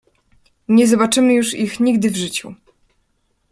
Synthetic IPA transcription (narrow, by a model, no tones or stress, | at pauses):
ɲɛzɔbat͡ʂɘmɘjuʂixɲiɡd̪ɘvʐɘt͡ɕu